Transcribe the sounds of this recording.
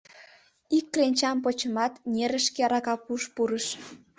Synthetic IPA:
ikːrenʲt͡ɕɑmp̬ot͡ɕəmɑt̪nʲeɾə̆ʃkeɑɾɑkɑkuʃpuɾəʃ

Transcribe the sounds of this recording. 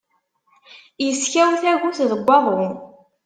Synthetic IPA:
jəsçæwθæʝuθðəɡʷːɑðˤɾin

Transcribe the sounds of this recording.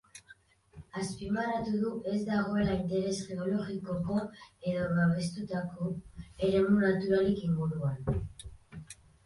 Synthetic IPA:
aspimarat̪uðue̞zd̪aɣ̞o̞e̞laint̪e̞ɾe̞sxeo̞lo̞ɣiko̞ko̞e̞ðo̞βaβe̞st̪ut̪ako̞e̞ɾe̞munat̪uɾalikiŋɡuɾuan

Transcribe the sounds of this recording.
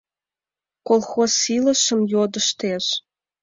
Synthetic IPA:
kolˠxosːilə̆ʃə̆mjod̪ə̆ʃt̪eʃ

